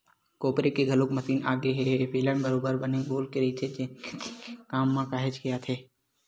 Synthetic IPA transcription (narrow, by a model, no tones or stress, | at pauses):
koːpɾekeɡʱɐlokmɐsiːnaːɡeɦɛpeːlɛmbəɾoːbəɾbɐneɡoːlkeɾit̪ʰed͡ʒe | kaːmːãkaːɦed͡ʒkijat̪ʰeː